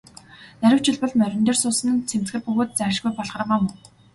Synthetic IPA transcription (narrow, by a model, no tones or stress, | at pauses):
næɾʲɪ̆w̥t͡ɕɪ̆ɮpɞ̆ɮmœɾʲɪ̆nt̪eːrsʊːsɘ̆nt͡sʰem̥t͡s̪ɡɘ̆rpɵɣoːt̪̚t͡sæːʃɡujpɔɮχə̆r̆ʁaːmʊ